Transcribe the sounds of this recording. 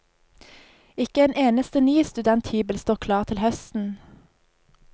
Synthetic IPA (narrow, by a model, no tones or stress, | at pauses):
ɪkəeːnʔeːnəst̪ənyːst̪ʉd̪ɛnt̪hyːbəlst̪oːʁkʰlɑːʁt̪ʰɪlhœst̪n̩